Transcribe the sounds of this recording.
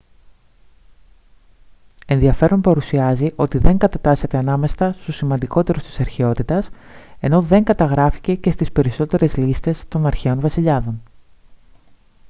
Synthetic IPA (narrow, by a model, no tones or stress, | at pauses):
e̞nðiɐfe̞ɾo̞npɐɾusiɐziʔo̞t̪iðe̞ŋɡɐt̪ɐt̪ɐset̪e̞ɐnɐme̞st̪ɐst̪osimɐnd̪iko̞t̪e̞ɾost̪i̥sɐɾçeo̞t̪it̪ɐse̞no̞ðe̞ŋɡɐt̪ɐɣɾɐfi̥ce̞ce̞st̪ispe̞ɾiso̞t̪e̞ɾe̞zlist̪e̞st̪o̞nɐɾçeo̞nvɐsiʎɐðo̞n